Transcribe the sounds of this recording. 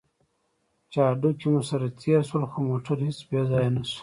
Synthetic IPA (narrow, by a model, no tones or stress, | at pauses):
t͡ʃɑɖukemusaɾat̪ʰeɾʃwalxomoʈaɾhit͡sbezɑjanasu̥